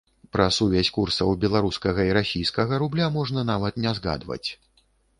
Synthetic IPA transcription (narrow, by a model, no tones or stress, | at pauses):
pɾɐsuvʲɛsʲkursɐwbʲɛlˠaɾuskɐɣɐiɾasʲijskɐɣɐɾublʲamɔʐnɐn̪avɐt̪nʲɛzɣa̰d̪vɐ̰t͡sʲ